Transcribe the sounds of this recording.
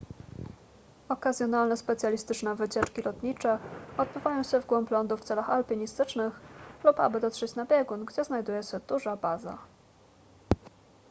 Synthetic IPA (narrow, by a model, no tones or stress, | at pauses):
ɔkazʲjɔnalnɛspɛt̪sʲjalʲist̪ɘt͡ʂnɛvɘt͡ɕɛt͡ʂkʲilɔt̪ɲit͡ʂɛɔd̪̚bɘvajɔ̃w̃ɕɛvɡwɔmplɔnd̪uft̪sɛlaxalpʲiɲist̪ɘt͡ʂnɘxlupa̰bɘd̪ɔt̪ʂɛt͡ɕnabʲjɛɡunɡd͡ʑɛznajd̪ujɛɕɛd̪̥uʐabaza̰